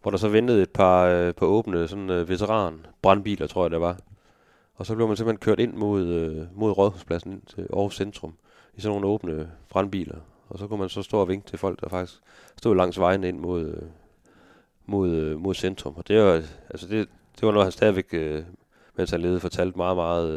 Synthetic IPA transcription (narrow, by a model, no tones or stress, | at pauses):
ʋɒɾ̥ɑ̈sɒ̽ʋend̥əð̞̩ˠe̝d̥̚pʰɑ̈pʰɑ̈ɔ̽ːb̥nəsɒ̽nʋe̝t͡sʰeʁɑ̰̈ːnb̥ʁɑ̈nb̥ḭːlɐt͡sʰʁo̝ɐ̰jɑd̥eʋɑ̈ | ɒ̽sɒ̥le̝ʊmænsemlhenkʰøɐ̰ɾ̥e̝nmo̝ð̰ˠømo̝ðˠʁɒðˠhuspʰlæsn̩en̰ʰeɒʊsend̥ʁɔm | isɒnːo̝ːn̩əɔːb̥nəb̥ʁɑ̈nb̥ḭːlɐ | ɒ̽sɒ̽kumænsɒ̽sd̥o̝ːɐʋe̝ŋɡ̥̚t͡sʰe̝fɒ̽l̰ɡ̥̚d̥ɑfɑ̈ɡ̥d̥i̥sɡ̥ | sd̥o̝̰ːlɑ̈ŋ̰sʋɑ̈ɪnəe̝n̰mo̝ð̰ˠ | mo̝ðˠmo̝ð̞ˠsend̥ʁɔmɒ̽d̥e̝ælsəd̥e̝ | d̥e̝ʋɑ̈nohænsd̥ɛːð̞ˠiʋeɡ̥ø | menshænle̝ːðˠfɒ̽t͡sʰæl̰d̥mɑ̈ːðˠmɑ̈ːð̩ˠ